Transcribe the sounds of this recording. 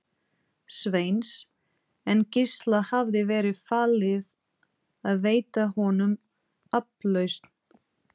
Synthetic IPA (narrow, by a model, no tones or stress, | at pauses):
sveːjns | ɛncɪst̪lahavðɪvɛːɾɪðfaːlɪð | aðveːjt̪ahɔnʏm | aplœɥst̪n̥